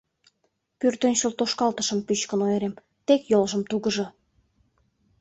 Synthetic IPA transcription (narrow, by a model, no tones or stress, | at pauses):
pyrt̪ønʲɕult̪oʃkɑlt̪ə̥̆ʃə̆mpyt͡ɕkə̆nojeɾem | t̪ekjolʒə̆mt̪uɣə̆ʒɤ̆